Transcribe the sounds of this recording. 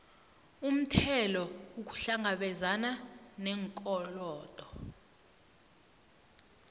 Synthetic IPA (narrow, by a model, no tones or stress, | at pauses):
um̩tʰɛlɔuk̬u̥ɬaŋaɓɛzananɛŋkʼɔlɔːtʼɔ